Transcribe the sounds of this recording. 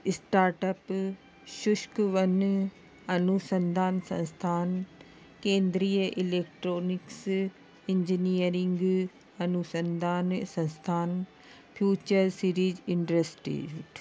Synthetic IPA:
ɪsʈaːɾʈɐp | ʃʊʃkʋɐn | ɐnusə̃nd̪ʱaːnsɐ̰̃nst̪ʰaːn | kẽːnd̪ɾijəʔileːk̚ʈɾoːnɪks | ɪ̃ɲd͡ʒinijəɾɪ̃ŋɡ | ɐnusə̃nd̪aːnsɐ̃nst̪ʰaːn | pʰjuːt͡ʃəɾsiɾiːzɪɳʈɾesʈḭ

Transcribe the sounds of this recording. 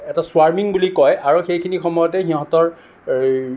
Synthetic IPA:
ɛtaswaɹmiŋbulikɔjaɹuxejkʰinixɔmɔjɔtɛxiɦɔ̃tɔɹ

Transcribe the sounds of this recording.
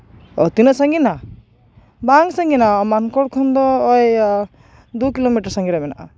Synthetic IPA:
ɔ̰t̪inasaŋɡina | baŋsaŋɡinamankɔɽkʰɔnd̪ɔːj | d̪ukilomiʈaɾsaŋɡiɾabɛnaʔa̰

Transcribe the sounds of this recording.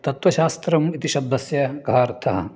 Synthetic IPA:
t̪ɐt̪ʋɐʃaːst̪ɾɐmit̪iʃɐb̚d̪ɐsjɐɡɐaːɾt̪ʰɐɦɐ̰

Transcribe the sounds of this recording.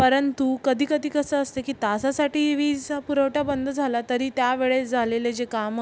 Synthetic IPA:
pəɾənt̪ukəd̪ʱiːkəd̪ʱiːkəsəəst̪ekiːt̪asasaʈiːʋiːd͡zpuɾəʋʈabənd̪ʱəd͡zʱalat̪əɾiːt̪jaʋeɭed͡zʱaleled͡ʑekam

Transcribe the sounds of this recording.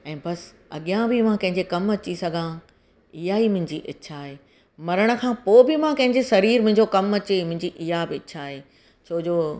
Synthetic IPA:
ɛ̃ːbɐs | ɐ̰ɠijãbɪmãkɐ̃ɦɪ̃ɲd͡ʑekɐmɐt͡ɕisɐɡʱã | ɪɦaimʊ̃ɦɪ̃ɲd͡ʑiʔɐt͡ɕʰaːɦeː | mɐɾəɽ̃ə̆kʰãːpoːbɪmãkɐ̃ɦɪ̃ɲd͡ʑesɐɾiːɾmʊ̃ɦɪ̃ɲd͡ʑokɐmɐt͡ɕemʊ̃ɦɪ̃ɲd͡ʑiʔɪɦabɪɪt͡ɕʰaːɦeː | t͡ɕʰoːd͡ʑoː

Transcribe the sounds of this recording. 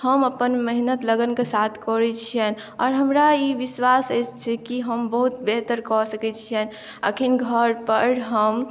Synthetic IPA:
həməpənməɦinət̪ləɡənkesat̪ʰkɔɾɛt͡ʃʰiən | ɔ̰ːɾɦəmɾaiʋiswaset͡ʃt͡ʃʰɛkiɦəmbəɦut̪beɦt̪əɾkɔsəkɛt͡ʃʰiən | ə̰kʰinɡʱəɾpəɾɦəm

